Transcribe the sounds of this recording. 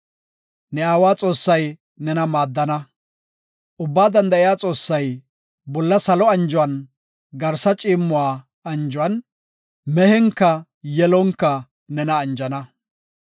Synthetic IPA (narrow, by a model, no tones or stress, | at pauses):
nɛaːwaːt͡sʼo̞ːsːɐj | nɛnɐmaːd̪ːɐnɐ | ʔʊbːaːd̪ɐnd̪ɐɪjaːt͡sʼo̞ːsːɐj | bɔlːɐsɐlɔɐnd͡ʒʊwɐn | ɡɐɾsɐt͡ʃʼiːmːʊwaː | ɐnd͡ʒʊwɐn | mɛhɛŋkːɐ | jɛlɔŋkːɐ | nɛnɐːnd͡ʒɐnɐ